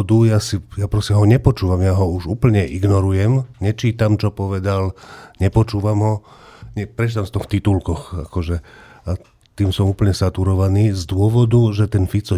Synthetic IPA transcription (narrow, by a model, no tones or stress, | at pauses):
d̪ujasijapɾɔsɛɦɔɲɛpɔt͡ʃuːʋamjaɦɔuʒṵːpl̩ɲɛʔiɡnɔɾujɛmɲɛt͡ʃiːt̪amt͡ʃɔpɔʋɛd̪alɲɛpɔt͡ʃuːʋamɦɔɲɛpɾɛt͡ʃit̪amst̪ɔxt̪it̪ulkɔxa̰kɔʒɛ | a | t̪iːmsɔmuːpl̩ɲɛsat̪uɾɔʋaniːzd̪ʊɔʋɔd̪uʒɛt̪ɛnfit͡sɔ